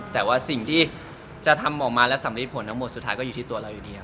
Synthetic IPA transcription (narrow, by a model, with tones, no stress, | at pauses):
t̪ɛː˨˩waː˥˩si˨˩ŋt̪ʰiː˥˩ | t͡ɕa˨˩t̪ʰa˧mːɔː˨˩k̚maː˧lɛ˦˥wsa˩˦mɾi˦˥t̪̚pʰo˨˩˦nt̪ʰa˦˥ŋmo˨˩t̪su˨˩t̪ʰaː˦˥jkɔː˥˩uː˨˩t̪ʰiː˥˩˧ɐ˧ɾa˧wjuː˨˩diː˦˧a˨˩